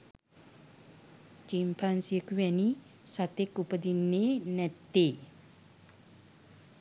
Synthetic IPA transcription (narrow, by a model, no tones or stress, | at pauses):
d͡ʒimpʰansiəkuwɛni | sat̪ekupəd̪inːenɛt̪ːe